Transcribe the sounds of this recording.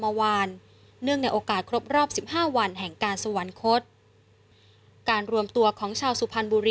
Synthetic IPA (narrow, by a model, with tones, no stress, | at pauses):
ma˧waː˧nː | ɯ˥˩əŋna˧jʔoː˧kaː˨˩t̪̚kʰɾo˦˥p̚ɾɔː˥˩p̚si˨˩p̚haː˥˩wa˧nɦɛ˨˩ŋkaː˧nsa˧wa˩˦nkʰo˦˥t̪̚ | kaː˧nɾu˧əmt̪u˧ɐkʰɔː˩˦ŋt͡ɕʰaː˧wsu˨˩pʰa˧nbuː˧ɾi˧